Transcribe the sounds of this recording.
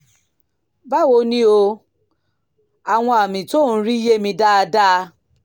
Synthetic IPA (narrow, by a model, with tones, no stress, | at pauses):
ba˦wo˧˦nĩ˦o˧ | a˨w̃ɔ̃˧a˨mĩ˨to˦ñ̩˦ɾi˦je˦mĩ˧da˦a˧da˦˧